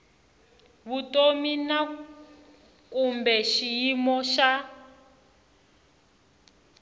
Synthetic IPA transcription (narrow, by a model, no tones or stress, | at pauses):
βutomina | kumbɛʃijimɔʃa